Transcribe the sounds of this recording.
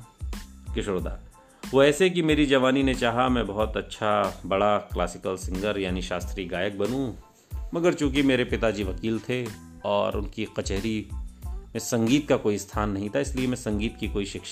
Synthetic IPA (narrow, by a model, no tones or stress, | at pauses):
kɪʃːd̪a̰ː | ʋoɛːsek̬imeːɾid͡ʒɐʋaːninet͡ʃaːɦamɛ̃bɔɦɔt̪ɐtːʃʰabɐɽakla̰ːsɪkəlsɪ̃ŋɡəɾjaːniʃaːst̪ɾiɡaːjək̚bɐnũ | mɐɡəɾt͡ʃũːk̬imeːɾepɪt̪ad͡ʒiʋɐkiːlt̪ʰe | ɔːɾʊ̰nkiqɐt͡ʃɛɦɾi | mẽsɐ̃ŋɡiːt̪̚kakoːist̪ʰaːnːɐɦĩt̪ʰaɪsliemɛ̃sɐ̃ŋɡiːt̪kikoːiʃɪkʃ